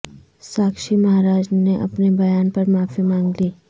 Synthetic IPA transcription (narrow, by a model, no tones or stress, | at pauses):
saːkʃimɐɦaːɾaːd͡ʒneʔɐ̰pnebɐjaːnpɐɾmaːfimãːŋɡliː